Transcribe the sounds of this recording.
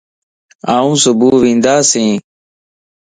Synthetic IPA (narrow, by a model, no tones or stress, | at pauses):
aːũːsʊbuːʋĩːnd̪aːsẽː